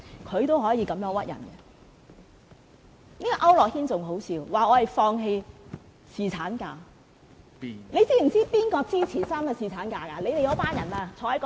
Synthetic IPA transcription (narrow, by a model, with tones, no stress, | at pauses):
kʰɵ˨˧ɥt̪o˥wɦɔː˨˥jiː˧kɐ˨˧mjœː˨˧˥ŋwɐ˥t̚jɐ̰˨˩nkɛ˧ | niː˥kɔ˨˧ʔɐ˥wlɔː˨k̚hiː˥nt͡sʊ˨ŋɦo˨˥wsʰiː˨˧wwaː˨ɔː˨˧hɐ˨jfɔː˧ŋɦe˧j | siː˨t͡sʰaː˨˥nkaː˧ | le˨˧jt͡siː˥m̩˨˩t͡siː˥piː˥nkɔː˧t͡siː˥t͡sʰiː˨˩saː˥mkɛ˧siː˨t͡sʰaː˨˥nkaː˧kaː˧le˨˧jt̪e˨jɐ˨˧˥wpaː˥njɐ˨˩naː˧t͡sʰɔː˨˧˥hɐ˨˥jkː